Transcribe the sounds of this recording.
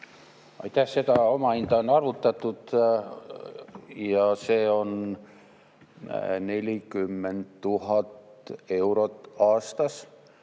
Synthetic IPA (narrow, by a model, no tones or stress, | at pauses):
ɑ̰jt̪æhse̞t̪ɑo̞mɑind̪̥ɑonɑrvut̪ːˑɑt̪ːˑud̪̥ | jɑseːo̞n | ne̞lʲikymːent̪t̪ːuhɑt̪e̞wɾot̪ːɑːst̪ɑs